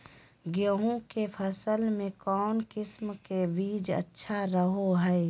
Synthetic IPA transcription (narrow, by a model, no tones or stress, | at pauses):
ɡjəɦõkepʰəsəlmẽkɔːnkɪsmkebiːd͡ʒə̰tːʃʰaɾəɦoɦɛɛ